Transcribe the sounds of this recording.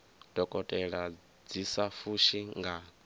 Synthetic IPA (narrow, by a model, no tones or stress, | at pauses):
d̥ʱɔkʼɔtʼɛɺa | d͡zisafuʃiŋɡa